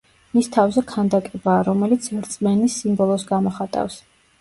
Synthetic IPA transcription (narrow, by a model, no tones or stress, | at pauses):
mist̪ʰavzɛkʰand̪akʼɛbaːɾɔmɛlit̪sʰvɛɾt̪sʼmɛnisimbɔlˠɔsɡamɔχat̪ʼa̰fs